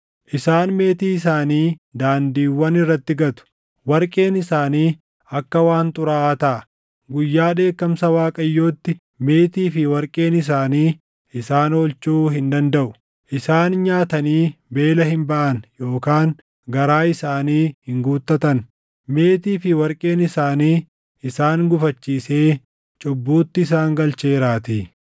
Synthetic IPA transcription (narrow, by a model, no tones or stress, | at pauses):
ʔɪsaːnme̞ːt̪iːɪsaːniːd̪aːnd̪iːwːɐnɪrːɐt̪ːɪɡɐt̪ʊ̥ | wɐɾkʼe̞ːnɪsaːniː | ɐkːɐwaːnt̪ʼʊɾaʔaːt̪ɐʔɐ | ɡʊjːaːᶑe̞ːkːɐmsɐwaːkʼɐjːo̞ːt̪ːɪ | me̞ːt̪iːfɪwɐɾkʼe̞ːnɪs̬aːniː | ɪsaːnoːlt͡ʃuːɦɪnd̪ɐnd̪ɐʔʊ | ʔɪsaːnɲaːt̪ɐniːbe̞ːlɐɦɪmbɐʔɐnjo̞ːkaːŋ | ɡɐɾaːɪsaːniːhɪŋɡuːt̪ːɐt̪ɐn | me̞ːt̪iːfɪwɐɾkʼe̞ːnɪsaːniː | ɪsaːnɡʊfɐt͡ʃːiːseː | t͡ʃʼʊbːuːt̪ːɪɪs̬aːŋɡɐlt͡ʃeːɾaːt̪iː